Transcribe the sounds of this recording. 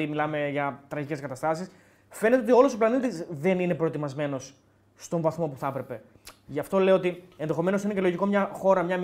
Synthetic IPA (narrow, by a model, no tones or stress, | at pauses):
imilɐme̞ʝɐt̪ɾɐʝice̞skɐt̪ɐst̪ɐsis | fe̞net̪eot̪io̞losoplɐnit̪isðe̞nine̞pɾo̞et̪imɐzme̞no̞sː | t̪o̞ɱvɐθmo̞puθɐpɾe̞pe̞ | ʝɐft̪o̞leoo̞t̪ie̞nðe̞xo̞me̞noinece̞lo̞ʝiko̞mɲɐxo̞ɾɐmɲɐm